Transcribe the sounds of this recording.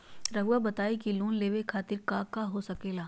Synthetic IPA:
ɾɐɡwabɐt̪aːikiluːnleːʋekʰaːt̪ɪɾkaːkaɦosɐkeːlaː

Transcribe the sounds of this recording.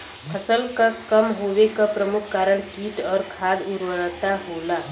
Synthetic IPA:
pʰəsəlkakəmɦoʋekapɾəmukʰːaːɾəɳkiʈɔːɾkʰad̪uɾʋənət̪aɦola

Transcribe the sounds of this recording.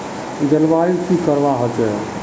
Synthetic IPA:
d̪əlbaikikəɾbaɦɔt͡ʃɛ

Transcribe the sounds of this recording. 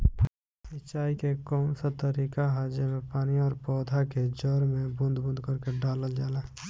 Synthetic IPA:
sɪt͡ʃaːikekɔːmsat̪əɾiːkaɦaːd͡ʒemẽpaːniɔːɾpɔːd̪ʱaked͡ʒɔːɾmẽbʊ̃nd̪ʱbʊ̃nd̪ʱkəɾkeɖaːləld͡ʒaːlaː

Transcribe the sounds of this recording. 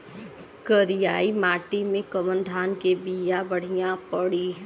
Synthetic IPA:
kəɾijaːimaːʈimẽkəmənd̪ʱaːnkebijabəɽ̤ijãpəɽiɦ

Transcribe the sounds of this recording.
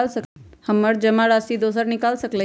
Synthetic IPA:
lsəkhəməɽd͡ʒəmaɽasid̪os̬əɾnɪkalsəklə

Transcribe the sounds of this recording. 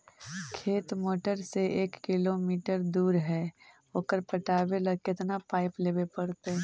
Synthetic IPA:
kʰeːt̪moːʈəɾseʔeːkːɪlomiːʈəɾd̪uːɾɦɛː | oːkəɾpɐʈaːʋelɐɡkɪt̪napaːɪpleːbepɐɽt̪e

